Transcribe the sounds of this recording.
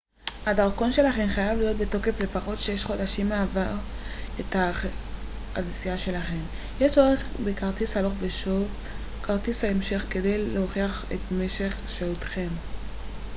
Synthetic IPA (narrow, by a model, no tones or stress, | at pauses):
hadaʁko̞nʃe̞laχe̞mχajavlijo̞t̚be̞to̞ke̞fle̞paχo̞tʃeʃχo̞daʃimːeavaʁethaχ | ansijaʃe̞laχe̞m | jeʃoʁeχbekaʁtishalo̞χveʃo̞v | kaʁtishaemʃe̞χke̞dejeoχiaχetme̞ʃe̞χʃeutχe̞m